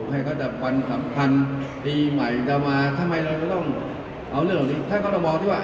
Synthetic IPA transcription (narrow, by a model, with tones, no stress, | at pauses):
ha˧˩jkɔː˥˩t͡ɕa˧˩p̚wa˧nsa˨˩˦mpʰa˧nt̪iː˧ma˨˩jt͡ɕa˧˩wmaː˧t̪ʰa˧ma˧jɾa˧wt͡ɕa˧˩t̪ɔ˥˩ŋ | ʔa˧wɾlŋtːaː˨˩niː˦˥t̪ʰa˥˩kɔː˥˩ɾa˧˩wmɔː˧ŋt̪ʰiː˥˩waː˧˩